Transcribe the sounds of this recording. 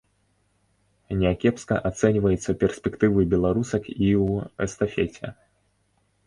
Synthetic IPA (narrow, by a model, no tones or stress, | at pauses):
nʲɛakʲɛpskɐʔat̪sɛnʲvɐjɛt̪sːɐpʲɛrsʲpʲɛkt̪ɨvɨbʲɛlˠaɾusɐkiwɛ̰st̪afʲet͡sʲɛ̰